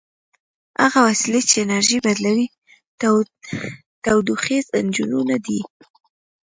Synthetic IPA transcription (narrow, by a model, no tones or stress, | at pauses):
ha̰ɣawasilet͡ʃeːnaɾʒibad̪lawi | t̪awd̪uxezand͡ʒununad̪i